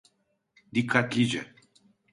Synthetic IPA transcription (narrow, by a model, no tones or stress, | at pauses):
d̪ikʰat̪lid͡ʒḛ